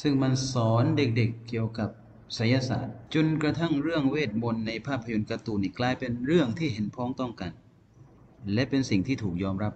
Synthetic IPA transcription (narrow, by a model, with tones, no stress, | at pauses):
sɯ˥˩ŋma˧nsɔː˩˦nde˨˩k̚de˨˩kːi˨˩əwka˨˩p̚ | sa˩˦ja˧sa̰ː˨˩t̪̚t͡ɕo˧nkɾa˧t̪ʰa˥˩ŋɾɯ˥˩əŋweː˥˩t̪̚mo˧nːa˧jpʰaː˥˩pʰːa˧jo˧nka˧t̪uː˨˩niː˥˩klaː˧jpe˧nɾɯ˥˩əŋt̪ʰiː˥˩ɦe˩˦npʰɔː˦˥ŋt̪ɔ˥˩ŋkaː˧n | lɛ˦˥ʔpe˧nsi˨˩ŋt̪ʰiː˥˩t̪ʰuː˨˩k̚jɔː˧mɾa˦˥p̚